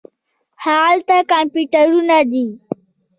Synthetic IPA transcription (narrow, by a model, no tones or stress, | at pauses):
haːlt̪akampjuʈəɾunad̪iː